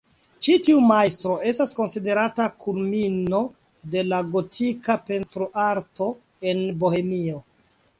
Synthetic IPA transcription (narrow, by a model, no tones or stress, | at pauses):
t͡ʃitiumajstɾo̞e̞stasko̞nside̞ɾatakʰulmino̞ | de̞laɡo̞tʰikape̞ntɾoʔaɾto̞ | e̞nbo̞he̞mio̞